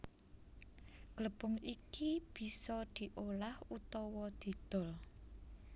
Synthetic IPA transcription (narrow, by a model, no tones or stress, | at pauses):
ɡ̥ləb̥ʊŋikib̥i̤sɔd̪̥i̤ʔolahut̪ɔwɔd̪̥i̤d̪̥ɔ̤l